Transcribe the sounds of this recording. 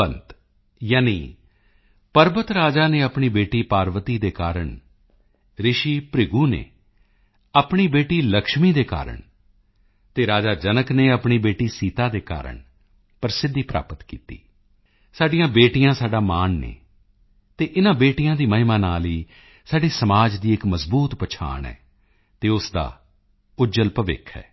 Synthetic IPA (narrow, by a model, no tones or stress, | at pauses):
ənt̪ | jaːnḭː | pəɾbət̪ɾaːd͡ʒaːneːəpɳiːbeːʈiːpaːɾʋət̪iːd̪eːka̰ːɾəɳ | ɾɪʃiːpɾɪɡuːnḛː | aːpɳiːbeːʈiːləkʃmiːd̪eːka̰ːɾə̰ɳ | t̪eːɾaːd͡ʒaːd͡ʒənəkneːəpɳiːbeːʈiːsiːt̪aːd̪eːka̰ːɾə̰ɳ | pəɾsɪd̪ːiːpɾa̰ːpət̪kiːt̪ḭː | saːɖɪjãːbeːʈijãːsaːɖaːmaːnnḛː | t̪eːʔɪnãːbeːʈɪjãːd̪iːməɦɪmaːnaːliː | saːɖeːsəmaːd͡ʒd̪iːɪkməzbuːt̪pət͡ʃʰa̰ːɳɛ̰ː | t̪eːʊsd̪a̰ː | ʊd͡ʒəlpəʋɪ̰kʰɛ̰ː